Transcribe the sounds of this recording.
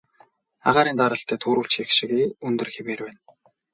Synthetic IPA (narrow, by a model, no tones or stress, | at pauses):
a̰ʁaːɾiːnt̪aɾə̆ɬt̪ʰæːt̪ʰuːɾuːɬt͡ɕjexʃĭɣeːɵnt̪ɵ̆rxemeːrpæːn